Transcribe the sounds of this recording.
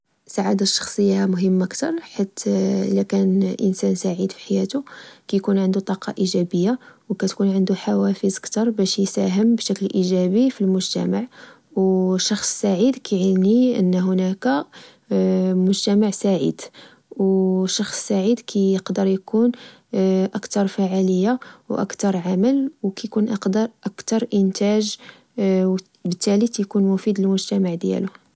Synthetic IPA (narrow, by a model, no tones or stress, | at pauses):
saʕad̪aʃːɑ̥xsˤəjːahmʊɦəmːəkt̪ɑɾˤħit̪ːlækænʔə̰nsænsaʕid̪fi̥ħajæt̪ukæjkunʕənd̪ut̪ˤɑqɑ̰ʔiʒæbəjːawkæt̪kunʕənd̪uħawæfəzkt̪ɑɾˤbæʃjsæɦəmbʃæklʔiʒæbifilmʊʒt̪æ̰maʕ | wʃɑxsˤːaʕid̪kʰæʕəlniʔə̰nːɦʊnækæ | mʊʒt̪æmaʕsaʕḭd̪̥ | wʃɑxsːaʕid̪kʰæjəqd̪əɾˤjkun | ʔəkt̪ɑɾˤfaʕaləjːawʔæ̰kt̪ɑɾˤʕaməlwkæjkunʔɑqd̪ɑɾˤʔækt̪ɑɾˤʔənt̪æʒ | w | bət̪ːælit̪jkunmʊfid̪ləlmʊʒt̪æmaʕd̪jæ̰lʊ